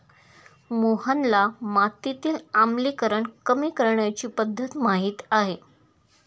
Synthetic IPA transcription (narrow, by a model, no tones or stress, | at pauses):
moɦanlamat̪it̪iːlamliːkəɾəɳkəmiːkəɾɳjat͡ɕiːpəd̪ʱːət̪maɦiːt̪aɦe